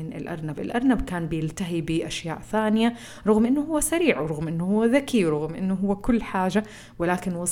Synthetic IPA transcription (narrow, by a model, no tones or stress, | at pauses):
ɪnɪ̰lʔɑ̰ɾˤnabɪ̰lʔɑɾˤnabkaːnbɪjɪlt̪aɦibɪʔaʃjaːʔθaːnɪja | ɾˤʊɣmʔɪnːʊhʊwːasaɾiːʕwɾʊɣmʔɪnːʊhʊwːðakiwɾˤʊɣmʔɪ̰nːʊɦʊwːkʊlːħaːd͡ʒa | wɪlaːkɪnwɑ